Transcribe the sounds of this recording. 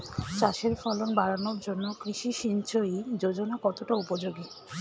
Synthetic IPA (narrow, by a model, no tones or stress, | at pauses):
t͡ɕaʃeɾfɔlonbaɾanoɾd͡ʑonːokɾiʃiʃint͡ɕʰojd͡ʑod͡ʑonakɔt̪oʈaupod͡ʑoɡi